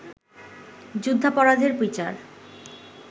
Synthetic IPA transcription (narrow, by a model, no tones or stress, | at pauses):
d͡ʑud̪ʱːapɔɾad̪ʱeɾpɾit͡ɕa̰ɾ